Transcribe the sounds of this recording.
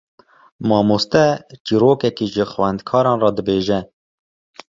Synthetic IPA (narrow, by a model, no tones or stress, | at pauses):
mɑːmust̪ɛt͡ʃiːɾoːkɛkiːʒəxwɛnd̪kʰɑːɾɑːnrɑd̪ɨbeːʒɛ